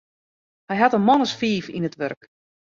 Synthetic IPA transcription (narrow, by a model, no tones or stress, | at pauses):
hɛjɦatənmɔnəsfiːfḭnətʋø̰rk